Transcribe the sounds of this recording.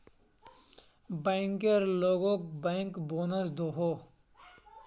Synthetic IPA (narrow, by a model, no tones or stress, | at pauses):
bẽːŋkeɾloːɡõkbɛːŋkboːnəsd̪oːɦoː